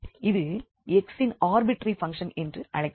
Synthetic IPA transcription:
ɪðɯ | ɛksɪnaːɾbɪʈɾifɐŋʂɐnɛndrɯʔɐɻɐɪk

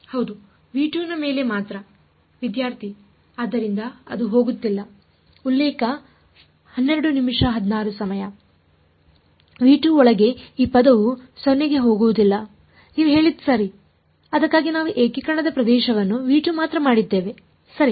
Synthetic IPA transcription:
hɐwd̪u | ʋiːʈuːnɐme̞ːle̞maːt̪ɾɐ | ʋid̪jaːɾt̪ʰi | aːd̪ːɐɾind̪ɐɐ̰d̪uɦo̞ːɡut̪ːilːɐ | ulːeːkɐ | hɐnːeɾɐɽunimʂɐɦɐd̪naːɾusɐmɐjɐ | ʋiːʈuɔɭɐɡe̞iːpɐd̪ɐʋusɔnːeɡe̞ɦo̞ːɡuʋud̪ilːɐ | niːʋuɦe̞ːɭid̪ːusɐɾi | ɐd̪ɐkːaːɡinaːʋuʔeːkikɐɳɐd̪ɐpɾɐd̪ɛːʃɐʋɐnːuʋiːʈumaːt̪ɾɐmaːɽid̪ːe̞ːʋe̞ | sɐɾi

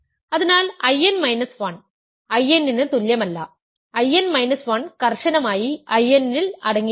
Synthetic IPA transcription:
ɐðɐnaːlɐjɐnmɐjnɐsʋaːɳ | ɐjenːinɨt̪uljɐmɐlːɐ | ɐjɐnmɐjnɐsʋaːnkɐrʂɐnɐmaːjiɐjɐnilɐɽɐŋːi

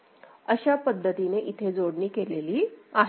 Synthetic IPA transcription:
əɕapəd̪ʱːət̪ineʔit̪ʰed͡zoɽniːkeleliːaɦ

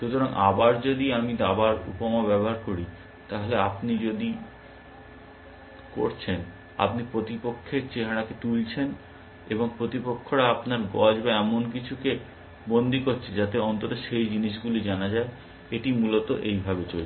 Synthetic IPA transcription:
ʃut̪oɾaŋʔabaɾd͡ʑod̪iamid̪abaɾṵpomobɛboɦaɾkoɾi | t̪aɦoleapnid͡ʑod̪i | ko̰ɾt͡ɕʰen | a̰pnipɾot̪ipokʰːeɾt͡ɕeɦaɽaket̪ult͡ɕʰen | eboŋpɾot̪ipokʰːoɾaapnaɾɡɔd͡ʑbaɛmonk̬it͡ɕʰuke | bond̪ʱikoɾt͡ɕʰed͡ʑat̪eɔnt̪ot̪oʃejd͡ʑiniʃ̬ɡulid͡ʑanad͡ʑae | eʈimulot̪oʔejbʱabet͡ɕol

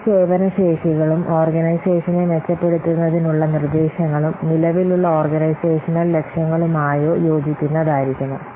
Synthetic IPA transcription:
seːʋɐnɐʂe̞ːʂiɣɐɭumo̞ːrɡɐnɐjse̞ːʂɐnenet͡ɕːɐpːe̞ɽut̪ːunːɐðinuɭːɐnird̪eːɕɐŋːɐɭumnilɐʋiluɭːɐoːrɡɐnɐjse̞ːʂɐnːɐlle̞kʂjɐŋːɐɭumaːjo̞ːjo̞ːd͡ʑikʲːunːɐðaːjiɾikʲːunɐ

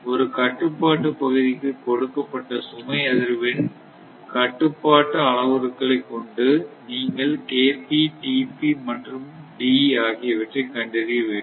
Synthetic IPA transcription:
ɔɾɯkɐʈːɯpːaːʈːɯpːɐɣɯðɪkːɯkɔɽɯkːɐpːɐʈːɐsʊmɐɪɐðɪɾʋɪn | kɐʈːɯpːaːʈːɐɐɭɐʋɐɾɯkːɐɭɐɪkːɔɳɖɯniːŋɡɐɭkeːpiʈiːpimɐʈrɯmɖiaːɣɪjɐʋɪʈrɐɪkɐɳɖɪɾiɐʋeː

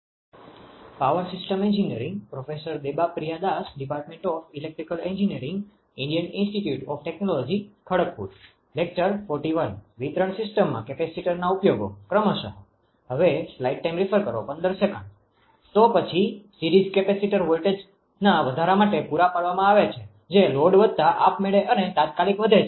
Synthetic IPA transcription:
paʋəɾsɪsʈəmẽɲd͡ʒiniəɾĩŋɡpɾɔfesəɾd̪ebapɾijad̪asɖipaɾʈmẽɳʈɔfilek̚ʈɾikəlẽɲd͡ʒinijəɾɪ̃ŋɡ | ɪ̃ɳɖijənĩnsʈiʈjuʈɔfʈɛknolɔd͡ʒikʰəɽək̚pṵɾ | lek̚t͡ʃəɾfɔɾʈiʋənʋit̪ɾəɳsɪsʈəmːã̰kɛpesiʈəɾnaupjoɡo̰kɾəməʃə̰ɦo | ɦəʋeslaiʈ̚ːajmɾifʰəɾkəɾo̰pə̃nd̪əɾsekəɳ | t̪opət͡ʃʰisiɾid͡ʒkepesiʈəɾʋolʈed͡ʒ | naʋəd̪ʱaɾamaʈepuɾapaɽʋamãaʋet͡ʃʰe | d͡ʒeloɖʋəd̪̚ʱt̪aʔapmeɭeʔənet̪ãt̪̚kalikʋəd̪ʱe

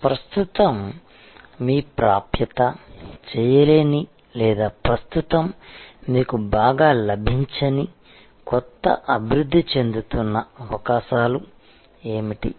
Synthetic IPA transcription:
pɾɐst̪ut̪ɐmː | iːpɾaːpjɐt̪ɐt͡ʃɛːjɐleːni | lɛːd̪aːpɾɐst̪ut̪ɐmːiːkubaːɡaːlɐbʱiɲt͡ʃɐni | kɔt̪ːɐ̰ʔɐbʱiɾud̪ʱːit͡ʃe̞nd̪ut̪unːɐɐʋɐkaːʃaːlu | eːmiʈḭ

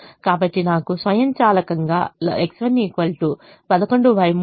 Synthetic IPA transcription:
kaːbɐʈːinaːkusʋɐjɐmt͡ʃaːlɐkɐŋɡa̰ːeksʋɐniːkʋɐlʈu | pɐd̪ɐko̞ɳɖuʋɐjm

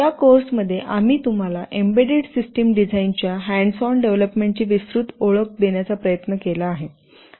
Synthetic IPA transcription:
jakoɾsməd̪ʱːjeʔamiːt̪um̤alaʔembeɖeɽsisʈəmɖid͡zaint͡ɕjaɦæɳɖsɔnɖeʋləpmeɳʈt͡ɕiːʋisɾut̪oɭək̚d̪eɳjat͡sapɾəjət̪nəkelaːɦe

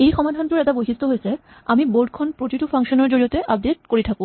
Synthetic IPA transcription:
ejxɔmad̪ʱant̪uɾɛt̪abojɦist̪oɦojet͡ɕʰe | amiboɾɖkʰonpɾot̪iʈufaŋʃoneɾd͡ʑoɾiot̪eʔab̚deʈ̚koɾit̪ʰaku

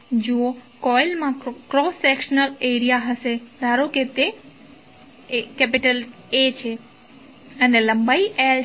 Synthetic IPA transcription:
d͡ʒokɔjlmãkɾosekʃnəleɾijaɦəʃed̪ʱaɾoket̪e | kɛpiʈəl | et͡ʃʰe | əneləmbaiʔel

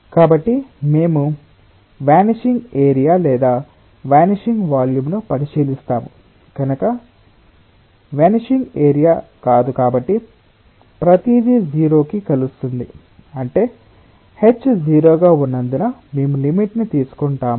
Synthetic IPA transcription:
kaːbɐʈːime̞ːmu | ʋaːniʂiŋɡeːɾijaːlɛːd̪aː | ʋaːniʂiŋɡʋaːljumnupɐniʃiːlist̪aːmu | ɡ̥ɐnɐkɐ | ʋaːniʂiŋɡeːɾijaːkaːd̪ukaːbɐʈːi | pɾɐt̪iːd̪id͡ʒiːɾo̞ːkikɐlust̪und̪ḭ | ɐɳʈe̞ː | het͡ʃːd͡ʒiːɾoːɡaːunːɐnd̪uname̞ːmulimiʈnit̪iːsu̥kɔɳʈaːmu

